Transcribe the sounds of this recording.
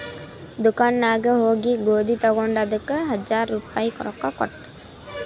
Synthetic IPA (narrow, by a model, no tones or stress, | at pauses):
d̪ukanːaːɡəɦoːɡiɡoːd̪ʱit̪ɔɡɔɳɖɐd̪əkəɦɐd͡ʒaɾːupajkɔ̰ɾɔkːakɔ̰ʈː